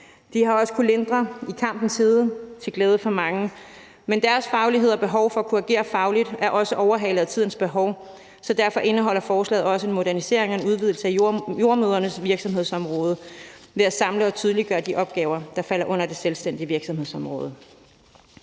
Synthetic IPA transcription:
d̥ihɑ̈ɒ̽sə̥kʰulend̥ʁɐikʰɑ̈m̰b̥n̩sheːðˠət͡sʰe̝ɡ̥lɛːð̞ˠəfɒ̽mɑ̈ŋə | mend̥æɐsfɑ̈ʊliɦe̝ð̞̰ˠɒ̽b̥e̝ɦɒʊfɒ̽ækʰuæɡ̥e̝̰ːɐfɑ̈ʊlid̥æɐʔɒ̽səʔɒʊɐɦɛ̰ːləðˠt͡sʰiðˠn̩sb̥e̝ɦɒʊ | sɒ̽d̥æɐfɒ̽ʔe̝nəɦɒ̽l̰ɐfɒːslɛ̰ːð̩ˠɒ̽səe̝nmo̝d̥æɐnise̝ɐ̰e̝ŋɒenuð̞ˠʋið̞̰ˠl̩səæjo̝ɐmøːðˠɐnəsʋiɐɡ̥sɒ̽mɦe̝ð̞̰ˠsɒ̽mʁɔːð̞ˠə | ʋe̝æsɑ̈mləɒ̽t͡sʰyːð̞ˠəliɡ̥ɶːɐd̥iʔɒ̽b̥̚ɡ̥ɛːʊɐd̥ɑ̈fæl̰ɐʔɔ̽n̰ɐd̥e̝selsd̥en̰d̥iəʋiɐɡ̥sɒ̽mhe̝ð̰ˠsɒ̽mʁɔ̽ːð̞ˠ

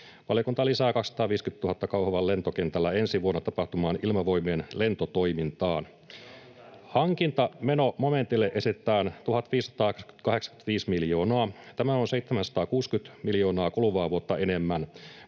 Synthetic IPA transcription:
pɑlikunt̪ɑlisæːkɑksɑ̥t̪ɑːʋiːskyt̪t̪ːuhɑt̪ːɑkɑwhɑʋɑlle̞nt̪okent̪ælːæe̞nsiʋuonːɑt̪ɑpɑht̪umɑːnilmɑʋo̞imienle̞nt̪ot̪ojmint̪ɑːn | hɑŋkint̪ɑme̞no̞mome̞nt̪ilːeʔe̞sitt̪ːˑæːnt̪uɦɑt̪ʋiːsːɑ̥t̪ɑːskyt̪kɑhe̞ksɑ̥ky̥nt̪ʋiːsmiljo̞ːnoɑːt̪æmæonseit̪ːemænsɑ̥t̪ɑːkuːskyt̪miljo̞ːnɑːkoluʋɑːʋuot̪ːɑenemːæn

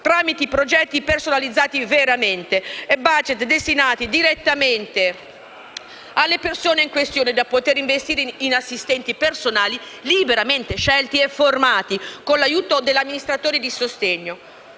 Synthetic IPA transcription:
t̪ɾaːmit̪eipɾod͡ʒɛt̪ːipersonalid̪zaːt̪iveɾament̪eɛbad͡ʒɛt̪d̪est̪inaːt̪id̪iɾet̪ːament̪e | alːepersoːneiŋkwest̪joːned̪apot̪eɾiɱvest̪iːɾeinasːist̪ɛnt̪ipersonaːlilibeɾament̪eʃɛlt̪iefːormaːt̪ikonlajuːt̪od̪elːamːinist̪ɾat̪oːɾid̪isost̪eɲːo

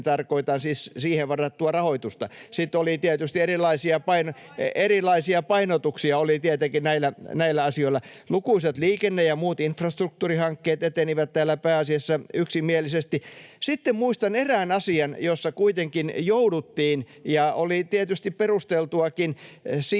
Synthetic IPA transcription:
t̪ɑrkoit̪ɑnsissiːheʋʋɑrːɑt̪t̪uɑrɑhoit̪ust̪ɑ̰sit̪olit̪iet̪yst̪ierilˑɑisiɑpɑino | erilɑisiɑpɑinot̪uksiɑolit̪iet̪ekinnæilːˑænæilːæɑsioilːɑ | lukuiset̪liːkenːejɑmuːt̪infrɑst̪ruk̚t̪uːrihɑŋkːeːt̪et̪eniʋæt̪t̪æːlːˑæpæːɑsiɑsːɑyksimiælisest̪isit̪ːemmuist̪ɑneræːnɑsiɑnjosːɑkuit̪eŋkinjoudut̪ːiːn | jɑolit̪iet̪yst̪ipperust̪elt̪uɑkinsi

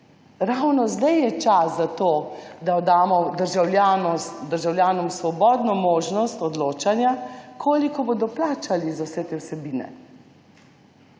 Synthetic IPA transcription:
ɾawnɔzd̪ajjɛt͡ʃaszat̪oːd̪aɔd̪aːmɔd̪əɾʒawljaːnɔd̪əɾʒawlʲjaːnɔmsʋɔbɔːd̪nɔmoːʒnɔst̪ɔd̪loːt͡ʃanjakʰoːlikɔbod̪ɔplaːt͡ʃalizawsɛt̪eːwsɛbiːnɛ̰

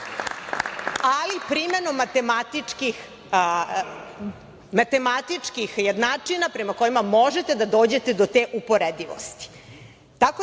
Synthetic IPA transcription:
alipɾimenomat̪emat̪ikix | mat̪e̞mat̪it͡ʂkixjed̪nat͡ʂinapɾemako̞jimamo̞ʒet̪e̞d̪ad̪o̞ːd͡ʑe̞t̪e̞d̪ot̪eːʔupo̞ɾed̪iʋo̰st̪i̥ | t̪ako

